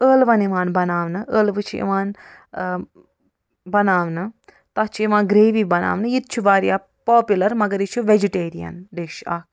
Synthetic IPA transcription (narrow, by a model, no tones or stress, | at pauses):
əːlʋɐniʋaːnbɐnaːʋnɨʔəːlʋɨt͡ʃʰiḭʋaːn | bɐnaːʋnɨ | t̪ɐt͡ʃʰiiʋãːnɡɾeːʋiːbɐna̰ːʋnɨjit̪̚t͡ʃʰuʋaːɾijaː | poːpʲjulɐɾmɐɡɐɾit͡ʃʰuʋed͡ʒiʈeːɾijɐ̰nɖeːʃa̰ːk̚